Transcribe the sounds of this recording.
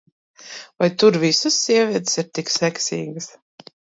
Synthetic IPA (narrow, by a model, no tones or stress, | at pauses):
vajt̪uɾvisɨsːiɛvʲiɛt̪siɾt̪iksɛksḭːɡɨs